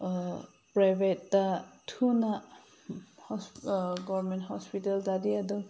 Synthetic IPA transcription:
pɹajbetːatʰuna | hɔsɡɔmɛ̃nthɔspitalzadiadɔ

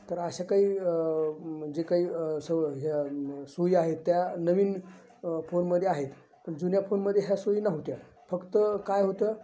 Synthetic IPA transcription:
t̪əɾəɕakaɦiː | d͡ʑekaɦiːsəɦjasoiaɦet̪ːjanəʋiːn | fonməd̪ʱːjeaɦet̪ | pənd͡zunjafonməd̪ʱːjeɦjasoinaɦut̪ja | fəkt̪əkajɦot̪ə

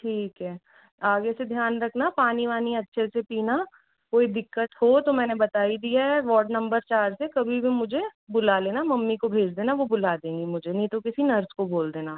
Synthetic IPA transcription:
ʈʰiːkɦɛː | aːɡesed̪ʱjaːnɾɐkʰnapaːniʋaːniɐtːʃʰesepiːna | koːid̪ɪkːəʈhot̪omɛ̃ːnebɐt̪aːid̪iɛʋɔːɾɖnɐ̃mbəɾt͡ʃaːɾsekɐbʱibʱimʊd͡ʒʱebʊlaleːnamɐmːikobʱeːd͡ʒd̪eːnaʋobʊlaːd̪ẽːŋɡimʊd͡ʒʱenĩt̪okɪsinɐɾskoboːld̪eːnaː

